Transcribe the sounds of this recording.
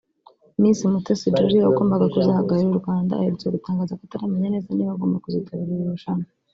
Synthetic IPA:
minsimutesid͡ʒoɾiaɡoːmbaɡakuzihaɡaɾeuɾɡwaːnda̰heɾtoɡutaːŋɡaːzakataɾameɲane̞ːzaniβaɡoːmbakuzitʰaβiɾiɾɾuʃano

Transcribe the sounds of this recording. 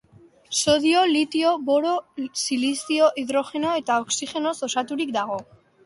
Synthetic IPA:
so̞ðio̞lit̪io̞βo̞ɾo̞silisio̞ʔiðɾo̞xe̞no̞e̞t̪aoksixe̞no̞so̞sat̪uɾik̚d̪aɣ̞o̞

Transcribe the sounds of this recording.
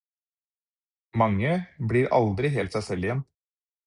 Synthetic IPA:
mɑŋːəbɽiːɾɑ̰ld̪ɾɪɦeːlt̪sæɪsɛlɪjɛn

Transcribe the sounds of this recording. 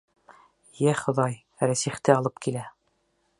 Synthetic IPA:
jæχŏðɑj | ɾæsiχt̪ɘɑlˠɤp̚kilæ

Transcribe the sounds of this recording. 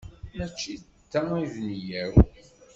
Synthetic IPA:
mæt͡ʃːi | t̪ːæivnjæw

